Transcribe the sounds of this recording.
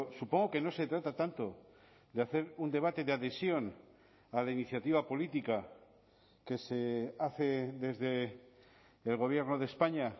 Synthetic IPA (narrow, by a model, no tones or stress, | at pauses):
supo̞ŋɡo̞ke̞no̞se̞t̪ɾat̪at̪ant̪o̞ | d̪eaθe̞ɾund̪e̞βat̪e̞ðeaðe̞sjo̞n | alainiθjat̪iβ̞apo̞lit̪ika | ke̞se̞aθe̞ðe̞zðe | lɣo̞β̞je̞ɾno̞ð̞espaɲa